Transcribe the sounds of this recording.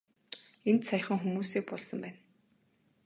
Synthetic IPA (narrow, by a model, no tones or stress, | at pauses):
ent̪saj̆χə̆ŋxumuːsiːk̚pɔɮsə̆mpæːn